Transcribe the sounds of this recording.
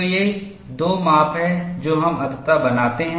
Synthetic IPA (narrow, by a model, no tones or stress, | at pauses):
jeː | d̪oːmaːpɦɛ̃d͡ʒoːɦɐmɐd̪t̪ːabɐnaːt̪eɦɛ̃